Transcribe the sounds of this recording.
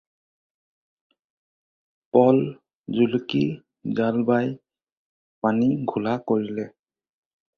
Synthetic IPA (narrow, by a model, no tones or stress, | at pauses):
pɔl | zuluki | zalbaj | paniɡʱulakoɹilɛ